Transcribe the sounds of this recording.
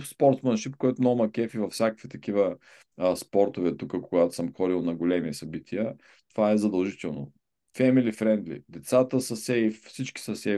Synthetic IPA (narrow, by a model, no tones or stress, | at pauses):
spɔɾt̪smənʃip̚kojɛt̪ʊmnɔɡʊmɐkɛfivɐfsʲjakə̥kvit̪ɐkivə | spɔɾt̪ovɛt̪ukəkoɡat̪ʊ̥səmxɔd̪ilˠnɐɡolɛmisɐbit̪ʰiə | t̪ovaɛzɐd̪ɐlˠʒit̪ɛlˠno̰ | fɛmilifɾɛnd̪lḭd̪ɛt̪sat̪əsəsɛisit͡ʃkʲi̥səsɛ